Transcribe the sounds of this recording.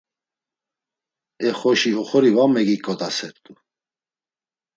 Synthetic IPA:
ɛχɔʃihɔχɔɾivamɛɡikʼːɔt̪ʼasɛɾt̪ʼu

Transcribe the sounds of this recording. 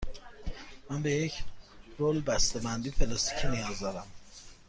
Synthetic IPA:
mænbejecʰɾolbæst̪ebænd̪iːfʰelɑst̪i̥cʰinijɒzd̪ɒɾæm

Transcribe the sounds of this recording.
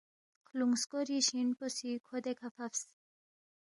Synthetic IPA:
kʰluŋskoɾiʃinpɔsikʰod̪ekʰafʰafs

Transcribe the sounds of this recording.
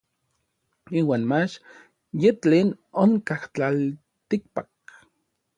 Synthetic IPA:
iːwaːnmat͡ʃ | jet͡ɬeːnoŋkaht͡ɬal | t̪ik̚pak̚

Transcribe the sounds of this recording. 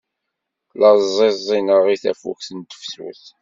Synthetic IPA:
lɑzˤɪzˤɪnəʁiθæ̰fṵkθənt̪ə̥fsṵθ

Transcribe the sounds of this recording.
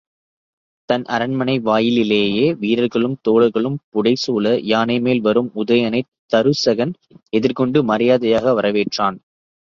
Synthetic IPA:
t̪ɐnʔɐɾɐɳmɐnɐɪʋaːjɪlɪleːjeːʋiːɾɐɾɣɐɭɯmt̪oːɭɐɾɣɐɭɯmpʊɽɐɪsuːlɐjaːnɐɪmeːlʋɐɾɯmʊðɐjɐnɐɪt̪ːɐɾɯsɐɣɐn | ɛðɪɾkɔɳɖɯmɐɾɪjaːðɐjaːɣɐʋɐɾɐʋeːʈraːn

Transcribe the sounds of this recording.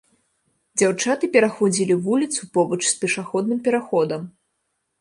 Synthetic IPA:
d͡zʲawt͡ʂat̪ɨpʲɛɾaxɔd͡zʲilʲivulʲit̪supɔbɐt͡ʂspʲɛʂaxɔd̪nɨmpʲɛɾaxɔd̪ɐm

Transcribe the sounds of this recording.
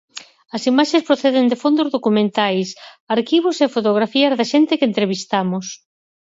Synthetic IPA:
ɐsimaʃespɾoθeðɪnd̪ɪfond̪ozðokumẽnt̪ajs | aɾkiβ̞ʊsefot̪oɣ̞ɾafiɐzðɐʃent̪ɪkent̪ɾeβist̪amʊs

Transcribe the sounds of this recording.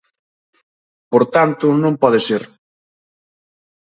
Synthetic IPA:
poɾt̪ant̪ʊnõmpɔðeseɾ

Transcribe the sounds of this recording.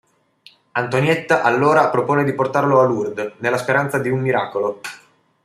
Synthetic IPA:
ant̪onjɛt̪ːaʔalːoːɾapɾopoːned̪iport̪arloalurd̪nelːaspeɾant̪sad̪iumːiɾaːkolo

